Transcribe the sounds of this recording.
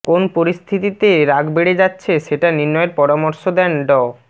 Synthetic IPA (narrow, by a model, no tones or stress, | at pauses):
konpoɾist̪ʰit̪it̪eɾaɡbeɽed͡ʑatːɕʰeʃeʈaniɾnɔeɾpɔɾamoɾʃod̪ɛnɖɔ